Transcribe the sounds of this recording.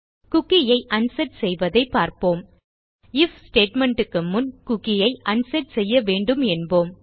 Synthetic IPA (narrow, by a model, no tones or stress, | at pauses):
kʊkːɪjɐɪʔɐnsɐʈsɛjʋɐðɐɪpːaːɾpoːm | ɪfsʈeːʈmɛɳʈɯkːɯmːʊnkʊkːɪjɐɪʔɐnsɐʈsɛjːɐʋeːɳɖɯmɛnboːm